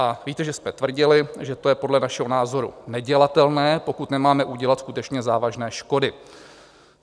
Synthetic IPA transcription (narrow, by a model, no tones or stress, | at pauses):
ʔaviːt̪ɛʒɛsmɛt̪vr̩ɟɪlɪʒɛt̪o̞jɛpo̞dlɛnaʃɛɦo̞naːzo̞ɾṵnɛɟɛlat̪ɛlnɛːpo̞kut̪nɛmaːmɛʔuɟɛlat̪skut̪ɛt͡ʃɲɛzaːvaʒnɛːʃko̞dɪ